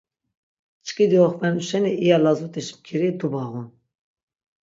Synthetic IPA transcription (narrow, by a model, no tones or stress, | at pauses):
t͡ʃkʼid̪ioχpɛnuʃɛniʔijɑlɑzut̪ʼiʃmkʰiɾit̪ʰubɑːɣun